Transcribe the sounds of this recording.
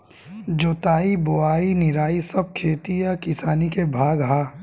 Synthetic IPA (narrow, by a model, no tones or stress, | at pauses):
d͡ʒoːt̪aːiboaːinɪɾaːisɐb̚kʰeːt̪ijakɪsaːnikebʱaːɡɦaː